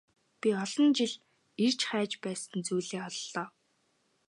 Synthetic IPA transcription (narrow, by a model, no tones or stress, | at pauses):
pʲiɔɮɞ̆nt͡ɕiɮ | ir̥t͡ɕχæːt͡ɕpæːsə̆nt͡sujɮeːɔɮɮɔː